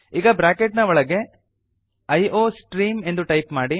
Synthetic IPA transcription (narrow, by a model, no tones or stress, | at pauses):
iːɡɐbɾaːkeʈnɐʋɔɭɐɡe̞ | ɐjʔoːsʈɾiːme̞nd̪uʈɐjpmaːɽi